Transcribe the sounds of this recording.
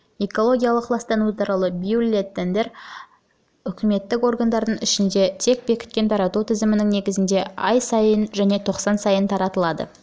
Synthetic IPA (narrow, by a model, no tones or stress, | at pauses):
e̞ko̞lˠo̞ɡʲijalˠəqʰːlˠɑst̪ɑnut̪ɑɾɑlˠəbijulʲet̪ːend̪e̞ɾ | ʏkʲɪme̞t̪ːɪko̞rɡand̪ɑɾd̪əɴɪʃɪnd̪e̞t̪ʰe̞k̚be̞kʲɪ̥t̪̚kʲe̞nt̪ʰɑɾɑt̪ut̪ʰɪzɪmɪnɪŋne̞ɡʲɪzɪnd̪e̞ɑjsɑjənʒæne̞t̪ʰo̞qsɑnsɑjənt̪ʰɑɾɑt̪əlˠɑd̪ə̰